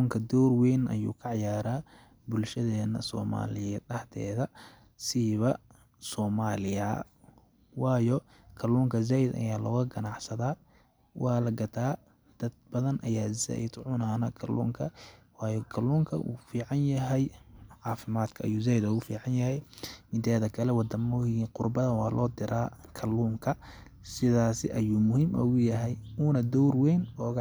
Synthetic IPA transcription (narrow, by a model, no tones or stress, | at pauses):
uːŋkʰɐd̪ɔːrwɛːnʔɐ̰jṵːkʰɐʕɑjaːɾaː | bʊlʃɐðɛːnɐsɔ̰ːma̰ːlɪjɐɗɐht̪ʰɛ̰ːðɐ | siβɐ | sɔːmaːlɪjɐ | wɑːjɔ | kʰɐluːŋkʰɐzaːjd̪ɐ̰jaːlɔːɣɐɡɐnɑʕsɐðaː | wʔɑːlɐɡɐt̪ʰaː | d̪̥ɐd̪̚bɐðɐnʔɐjaːzɐ̰ɪd̪ʕʊnaːnɐkʰɐlʔṵːŋkʰɐwɑːjɔkʰɐluːŋkʰɐʔṵːfiːʕɑnjɐɦɛjʕɑːfɪmaːd̪kʰɐɐjuːzaːjd̪ɔɣʊfḭːʕɑnjɐhɛjmɪt̪ʰɛːðɐkʰɐlɛwɑd̪ɐmʊiːqʊrbɐðɐwɑːlʔɔːd̪ɪɾʔaːkʰɐluːŋkʰɐ | sɪðaːsɪʔɐjuːmʊhiːmɐ̰ɣʊjɐɦɛjuːnɐd̪ɔwrwɛjnɔːɣ